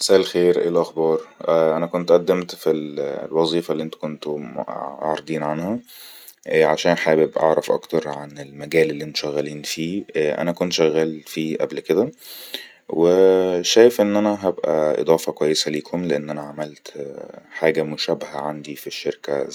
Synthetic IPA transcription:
mesʔæːʔlxeːɾʔḛːlʔɑxbɑːɾˤʔʔænækont̪ʔæd̪ːemt̪fillwɑzˤiːfɑlːiʔent̪o̥kont̪oo̰ʕɾˤd̪ˤiːnʕanhæ | ʕaʃæːnħaːbebʔɑ̰ʕɾˤɑfʔɑ̰kt̪ɑɾˤʕanelmæɡæːlelːiʔent̪o̥ʃæɣːæliːnfiːʔæ̰nækont̪ʃæɣːæːlfiːʔæ̰blked̪æ | weʃæːjefʔenːʔænæɦæbʔæʔḛd̪ˤɑːfɑkwæjːesæliːkʰomleʔenːʔænæʕamælt̪ħaːɡæmoʃæbæɦæʕand̪ifiʃːeɾkæ̰

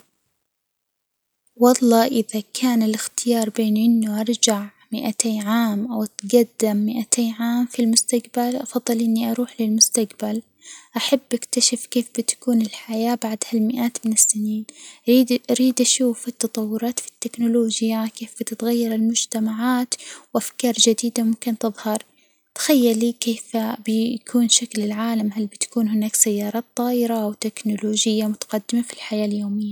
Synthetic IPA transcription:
wɑlˤːɑːʔɪðakʰaːnɪlɪxt̪ɪjɑːɾˤbeːnʔɪnːʊʔɑɾˤd͡ʒaʕ | mɪʔat̪ʰeːnʕaːmʔawat̪ɡad̪ːɪmːɪʔat̪ʰeːnʕaːmfilmʊst̪aqbalʔɑfɑðˤːɨlʔɪnːiʔɑɾuːħlɪlmʊst̪aqbal | ʔaħabːʔakt̪aʃɪfkeːfbɪt̪ḁkuːnɪlħajaːbaʕd̪halmɪʔaːt̪mɪnɪsːɪniːniʔaɾiːd̪ʔaʃuːfɪt̪ːɑt̪ˤɑwːʊɾˤɑːt̪fi̥t̪ːɪknʊloːd͡ʒɪjakeːfb̥ɪt̪ɪt̪ɣajːɑɾˤɪlmʊd͡ʒt̪amaʕaːt̪wʔafkɑːɾˤd͡ʒad̪iːd̪amʊmkɪnt̪ɨðˤhɑɾˤ | t̪xajːalːiːkeːfbɪjkʰuːnʃaklɪlʕaːlamɦalbɪt̪ḁkuːnhɪnaːksajːɑːɾˤɑːt̪ˤːɑːʔɪɾawt̪ɪknʊloːd͡ʒɪjːamʊt̪ḁqɑd̪ːɪmafilħajaːljoːmɪjːa

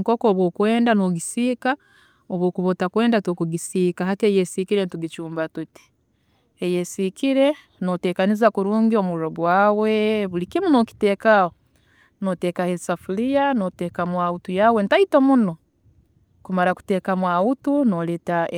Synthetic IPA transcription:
ŋkokoːβwokwe̞ːndanoɡisiːka | oβoːkuβotakwe̞ːndatokuɡisiːkaɦatejesikiɾentuɡit͡ʃuːmbatuti̥ | ejesikiɾe̞ | note̞ːkanizakuɾuːŋɡio̞muɾoɡwaːwe̞βulikimunoːki̥te̞ːkao | noteːkahesafulijanoteːkamwautujawenitaitomuno | kumaɾaku̥te̞ːkamwautunoleta

